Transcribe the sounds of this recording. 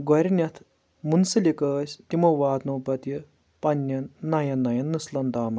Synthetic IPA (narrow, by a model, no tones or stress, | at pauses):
ɡɐɾʲinʲɐt̪ʰ | munsɐlʲikɐːsʲt̪imɐʋaːd̪noːpɐt̪ji | pɐnʲːɐnnɐjɐnɐjɐnːuslɐnd̪aːmɐ